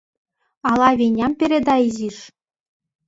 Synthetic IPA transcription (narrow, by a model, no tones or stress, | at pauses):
ɑlˠɑβʲenʲɑmpʲeɾʲed̪ɑiziʂ